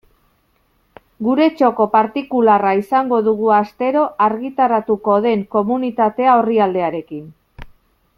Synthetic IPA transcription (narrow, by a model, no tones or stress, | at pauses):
ɡuɾe̞t͡ʃo̞ko̞paɾt̪ikularaisaŋɡo̞ðuɣ̞uast̪e̞ɾo̞ʔaɾɣit̪aɾat̪uko̞ð̞e̞ŋko̞munit̪at̪e̞ao̞riald̪e̞aɾe̞kin